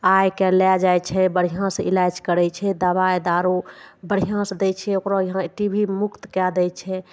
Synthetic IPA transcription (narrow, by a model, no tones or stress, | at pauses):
ajkelɛd͡ʒajt͡ʃʰɛbəɽ̤iɦãsilad͡ʒkəɾɛt͡ʃʰɛd̪əβaed̪aɾubəɽ̤iɦãsd̪ɛt͡ʃʰɛokɾɔjəɦãʈibʱimukt̪kɛd̪ɛt͡ʃʰɛ